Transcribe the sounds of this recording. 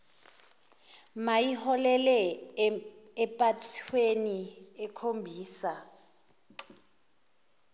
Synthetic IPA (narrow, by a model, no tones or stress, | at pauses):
majihɔlɛlɛ | pʼatʰweniɛkʰombʱiːsa